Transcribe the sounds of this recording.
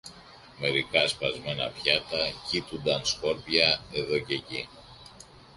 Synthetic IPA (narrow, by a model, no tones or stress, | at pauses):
me̞ɾikɐspɐzme̞nɐ̰pçɐt̪ɐcit̪und̪ɐnsko̞ɾpʝɐe̞ðo̞ce̞ci